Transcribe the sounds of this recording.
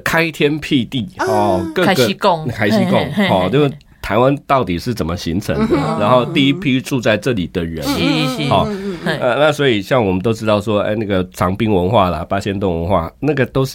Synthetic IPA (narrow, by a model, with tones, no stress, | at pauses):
kʰa˥ɪt̪ʰjɛ˥npʰi˥˧t̪i˥˩xɔ˥˨kə˥˧ɡə˨˧˥kʰa˥ɪi˧˥kʊ˥˨ŋxɔ˨˧t͡ɕo˥˧ʊʂ | t̪ʰa˧ɪwa˦nt̪ɑ˥˩ʊt̪i˨˩ʂɻ̩˥˩t͡sə˨˩nmə˨ɕḭ˧˥ŋt͡sʰə̰˧˦ŋ˦ɻa˧˦nxo˥˧ʊt̪i˥˧i˦˥pʰi˥ʈ͡ʂu˥˧t͡sa˥˧ɪʈ͡ʂɤ˥˩li˨˩d̪ə˨˩ɻə̰˧˦n˥xɔ˨˩˧ə˧na˥˨swɔ˧˥i˨˩ɕjɑ˥˩ŋwɔ˨˩mə˨˦nt̪o˥ʊʈ͡ʂɻ̩˥t̪ɑ˥˩ʊʂwɔ˥ḛ˥˧ɪna˥˩ɡə˨˩t͡sʰɑ˧˥ŋpi˥ŋwə˧˥nxwa˥˩lɐ̰˩pa˥ɕjɛ˥nt̪ʊ˥˩ŋwə̰˧˦nxwa̰˥˩na˥˩ɡə˩t̪o˥ʊʂ̩˥